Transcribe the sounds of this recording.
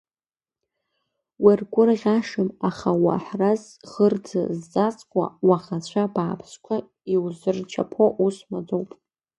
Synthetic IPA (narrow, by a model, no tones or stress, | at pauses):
wirɡʷʼʊrʁʲaʂɨmaχawa̰ħraz | ʁərd͡za̰zːʼat͡sʼkʷʼa̰waχat͡ɕʷʰabaːpʰskʷʰa | iwzɨrt͡ʃʰa̰pʰoʔusmad͡zʼowpʼ